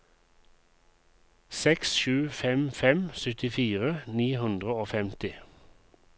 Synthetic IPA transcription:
sɛksʃʉːfɛmfɛmsʏt̪ɪfiːʁəniːhʉnd̪ʁəoːfɛmt̪ɪ

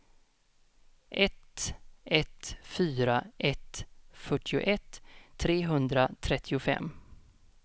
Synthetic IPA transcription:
ʔɛt̪ɛt̪fyːɾaʔɛt̪fœʈːɪʊ̰ʔɛt̪ʰːɾeːɦɵnd̪ɾat̪ʰɾɛt̪ʰːɪʊfɛ̰mː

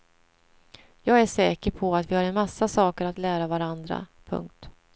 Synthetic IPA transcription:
jɑːɡæʂɛːkəɾpʰɔat̪vɪhaɾɛnmasːasɑːkəɾat̪læːɾavaɾand̪ɾa̰pʰɵ̰ŋk̚t̪

